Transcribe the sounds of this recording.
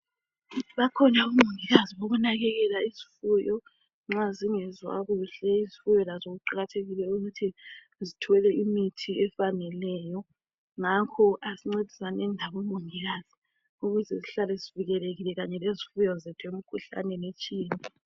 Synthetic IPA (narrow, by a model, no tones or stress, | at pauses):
βakʰɔɲaumuŋiɣaziβoɣunaɣɛɣɛlaizifujɔ | ŋ͡ǁaziŋɛzwa̰ɣuɬɛizifujɔlazoɣuǃaɣatʰeɣilɛuɣutʰi | zitʰɛlɛimitʰiɛfanɛlɛjɔ | ŋakʰɔʔasiŋ͡ǀed̥ʱisanɛndʱaβɔmuŋiɣazi | uɣuzɛziɬalɛziviɣɛleɣilɛɣaɲɛlezifujɔzetʰuem̩kʰuɬa̰nɛnet͡ʃʼiːnaa